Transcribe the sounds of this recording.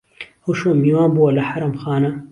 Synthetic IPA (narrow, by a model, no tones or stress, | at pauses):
ɐwʃoːnbiːwaːnbuwɐlɐħaɾɐmxaːnɐ